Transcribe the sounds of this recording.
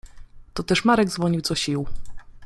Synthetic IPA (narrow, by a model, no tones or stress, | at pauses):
t̪ɔt̪ɛʂmaɾɛɡzvɔɲiwzɔɕiw